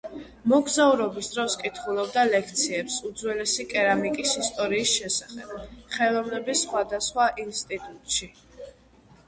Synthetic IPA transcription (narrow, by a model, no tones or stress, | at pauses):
mɔɡzauɾɔbisd̪ɾɔskʼit̪ʰχulˠɔb̚d̪alɛkʰt̪sʰiɛpsud̪zwɛlɛsikʼɛɾamikʼisist̪ʼɔɾiːsʃɛsaχɛb̥χɛlˠɔvnɛbisːχwad̪asχwaʔinst̪ʼit̪ʼut̪ʼʃi